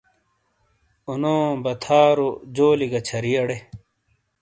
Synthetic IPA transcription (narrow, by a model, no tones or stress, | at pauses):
unõːbɐt̪ʰaːɾod͡ʑoːliɡɐt͡ɕʰɐɾiɐɽe